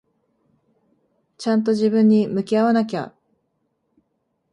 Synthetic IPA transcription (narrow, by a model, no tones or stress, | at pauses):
t͡ɕãnt̪̬o̞ʑibɯ̟̃ɲ̟ːimɯ̟kʲiaβanak̬ʲa̰